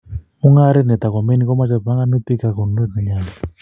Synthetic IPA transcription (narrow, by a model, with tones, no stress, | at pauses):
u˦ŋa˦ɾɛ˦nɛ˨t̪a˨kɔ˨me˦ni˦kɔ˦ma˦t͡ʃɔ˨pa˦ŋɡa˦nu˦t̪i˦ka˨ko˨n˨no˦di˨ɲa˦lɔ˨